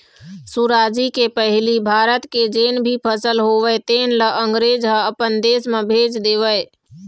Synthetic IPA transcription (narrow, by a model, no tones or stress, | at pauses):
suɾaːd͡ʒikepəɦɪlibʱaːɾət̪ked͡ʒeːnbʱipʰəsəlɦoːʋəet̪eːnləʔəŋɡɾeːd͡ʒɦəəpənd̪eːsmẽbʱeːd͡ʒd̪eːʋəe